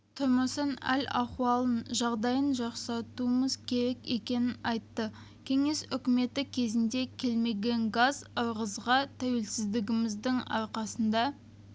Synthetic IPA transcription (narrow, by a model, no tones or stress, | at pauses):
t̪ʰʊɾməsənæ̰lʲɑ̰qwɑlˠənʒɑʁd̪ɑjənʒɑqsɑt̪uəməzkʲʰe̞ɾe̞ke̞kʲe̞nɪnɑjt̪ːə | kʲʰe̞ŋe̞sʏkʲɪme̞t̪ɪkʲʰe̞zɪnd̪e̞kʲʰe̞lme̞ɡʲe̞ŋɡazʊɾʁəzʁɑt̪ʰæwe̞lsɪzd̪ɪɡʲɪmɪzd̪ɪŋɑ̰ɾqɑsənd̪ɑ